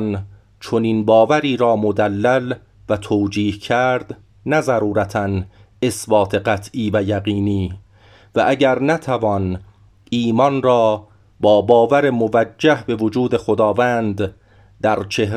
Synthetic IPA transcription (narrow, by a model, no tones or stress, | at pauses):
n | t͡ʃʰoniːnbɒːvæɾiːɾɒːmod̪ælːæl | væt̪ʰoːd͡ʒiːhcʰæɾd̪̥ | næzæɾuːɾæt̪ʰæn | e̞sbɒːt̪ʰeɢæt̪ʰʔiːvæjæɣiːniː | væʔæɟæɾnæt̪ʰævɒːn | ʔiːmɒnrɒː | bɒːbɒːvæɾemovæd͡ʒːæhbe̞vod͡ʒuːd̪e̞xod̪ɒːvæːnd̪ | d̪æɾt͡ʃʰe̞hɾ